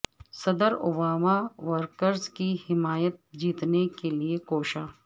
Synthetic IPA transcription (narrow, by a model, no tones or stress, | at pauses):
sɐd̪əɾo̰baːmaʋəɾkəɾzkihɪmaːjət̪̚d͡ʒiːt̪nekeliekoːʃaː